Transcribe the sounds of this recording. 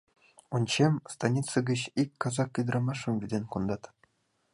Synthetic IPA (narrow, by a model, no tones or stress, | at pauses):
unʲɕemʲst̪ɑnʲit̪sɤ̆ɡʲɘ̆ɕikʲkɑzɑkʲːid̪̆rɑmɑʂːɤ̆mʲvʲidʲenʲkund̪ɑt̪